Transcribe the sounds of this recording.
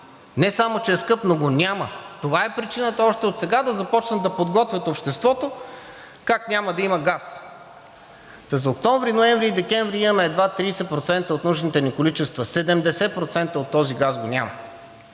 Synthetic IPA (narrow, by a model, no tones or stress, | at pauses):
nɛsamot͡ʃɛɛskɤpnoɡonʲamət̪ovaɛpɾit͡ʃinət̪ɐɔʃt̪ɛot̪sɛɡad̪ɐzɐpɔt͡ʃnəd̪ɐpod̪ɡɔt̪vʲjɐt̪opʃt̪ɛst̪vɔt̪o | kaknʲaməd̪ɐiməɡas | t̪ɐzɐok̚t̪ɔɱvɾinoɛ̃ɱvɾiːd̪ɛkʲɛ̃ɱvɾiiənɐɛd̪vat̪ɾiːsɛpɾot̪sɛnt̪əot̪nuʒnit̪ɛnikolit͡ʃɛst̪vəsɛd̪ɛmd̪ɛsɛpɾot̪sɛnt̪əot̪ːɔziɡasɡonʲamə